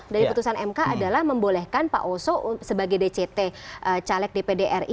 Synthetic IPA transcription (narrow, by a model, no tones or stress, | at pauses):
daɾiput̪usanɛmkaʔadalahməmbolɛhkanpa̰ʔosɔsəbaɡajdet͡ʃet̪eʔət͡ʃalɛk̚depedeʔɛri